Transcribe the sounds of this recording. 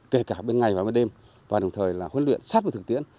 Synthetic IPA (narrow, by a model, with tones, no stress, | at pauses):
ke˧˩kaː˧˩ɓe˧nŋa˨˩jvaː˨˩ɓe˧˦ɗe˧m | vaː˨˩ɗə˨˩wŋ͡mt̪ʰəː˨˩jlaː˨˩hwə˨˦nlwḭ˧˨ənsaː˦˥t̚ə˨˧˩t̪ɨ˨˩k̚t̪i˧˥ən